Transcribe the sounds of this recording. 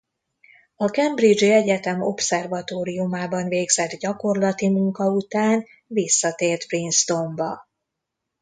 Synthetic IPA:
ɒkɛmbrid͡ʒiɛɟɛt̪ɛmo̞psɛrvɒt̪oːɾiumaːbɒnveːɡzɛd̪ɟɒko̞rlɒt̪imuŋkɒut̪aːn | visːɒt̪eːrt̪prinst̪o̞mbɒ

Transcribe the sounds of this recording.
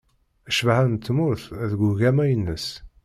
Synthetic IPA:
æʃvhænt̪ːmʊɾθæðɡuʝæmæjənːəs

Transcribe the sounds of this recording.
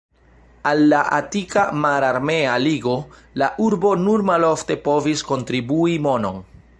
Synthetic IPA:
alːaʔatikamaɾaɾme̞aliɡo̞ | laʔuɾbo̞nuɾmalo̞fte̞po̞visko̞ntɾibuimo̞no̞n

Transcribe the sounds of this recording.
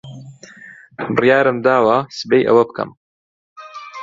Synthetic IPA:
bɨrjaːɾɨmd̪aːwasɨbejʔɐ̰wɐbkɐ̰m

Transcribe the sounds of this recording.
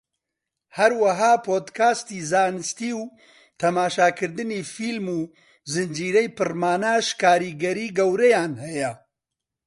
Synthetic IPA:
hɐɾwɐɦaːpʰoːd̪kʰaːst̪iːzaːnɨst̪iːw | t̪ʰɐmaːʃaːkʰɨɾd̪ɨniːfiːlmuː | zɨnd͡ʒiːɾɛjpɨrmaːnaːʃkaːɾiːɡɐɾiːɡɐwɾɛjaːnhɛjɛ

